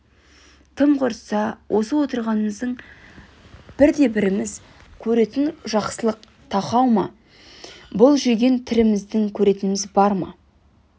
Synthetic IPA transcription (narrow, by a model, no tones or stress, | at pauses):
t̪ʰəmqʰʊɾsɑwʔo̞səwo̞t̪əɾʁɑnəməzd̪əɴ | b̥ɪɾd̪e̞bɪɾɪmɪz | kʲʰɵɾe̞t̪ɪnʒɑqsəlˠəq | t̪ʰɑqɑwmɑ | bʊlˠʒʏɡʲe̞nt̪ʰɪɾɪmɪzd̪ɪŋkʲʰɵɾe̞t̪ɪnɪmɪzbɑɾmɑ̰